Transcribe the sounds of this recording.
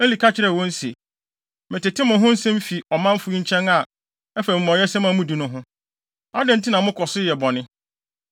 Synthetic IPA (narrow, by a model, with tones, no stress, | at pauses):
ɛ˦li˨kʰa˦t͡ɕʰɪ˨ɾɛ˨wɔ̃˦n̩˦se˨ | mɪ̃˨tɪ˨tʰɪ˦mʊ̃˨ɦʊ̃˦n̩˦sɛ̃˦m̩˦fi˨ɔ˨mã˦m̩˦fʊ˦i˦ɲ̩˦t͡ɕʰɛ̃˦na˨ | ɛ˦fɛ˨m̩˨mɔ̃˨jɛ˦sɛ˦mã˨mũ˦di˨nʊ̃˦ɦʊ̃˦ | a˦dɪ̃˨n̩˦tʰi˦nã˨mʊ̃˦kʰɔ˨sʊ˦jɛ˨bɔ˨nɪ̃˦